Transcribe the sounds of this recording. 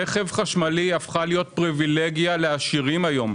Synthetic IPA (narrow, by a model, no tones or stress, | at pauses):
eχevχaʃmaliafχalijo̞t̚pʁivileɡjaleaʃiʁimajo̞m